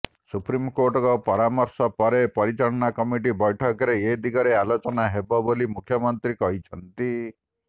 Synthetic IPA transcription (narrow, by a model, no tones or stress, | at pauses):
supɾimkoɾʈɔkɔpɔɾamɔɾsɔpɔɾepɔɾit͡ʃɔɽɔnakɔmiʈ̬ibɔjʈʰɔkɔɾeed̪iɡɔɾealot͡ʃɔnaɦebɔbolimukʰjɔmɔnt̪ɾikɔɦit͡ʃʰɔnt̪i